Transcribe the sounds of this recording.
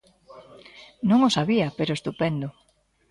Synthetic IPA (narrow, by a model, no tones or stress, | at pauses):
nõŋosaβiɐpeɾoest̪upɛnd̪ʊ